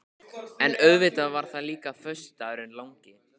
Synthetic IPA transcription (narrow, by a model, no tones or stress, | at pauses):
ɛnœɥvɪt̪avaɾ̥θaðliːkafœ̥st̪aɾʏnlawŋcɪ